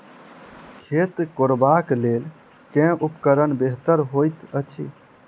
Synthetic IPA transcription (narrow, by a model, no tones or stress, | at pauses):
kʰet̪koɾbaklel | kẽʔupkəɾənbeɦt̪əɾɦojt̪ət͡ʃʰi